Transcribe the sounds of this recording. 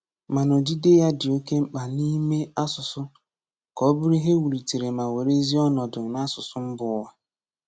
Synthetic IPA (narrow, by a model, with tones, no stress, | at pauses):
ma˨no˨d͡ʒi˦de˦ja˦dɪ˨o˦ke˦m̩˦k͡pa˨ni˦me˦a˦sʊ˨sʊ˦ | kɔ˦bʊ˦ɾi˦ɦe˦wu˨ɾi˨ti˨ɾe˨ma˨we˨ɾe˦zi˦ɔ˦nɔ˨dʊ˨na˦sʊ˨sʊ˦m̩˦bʊ˨˦wa˨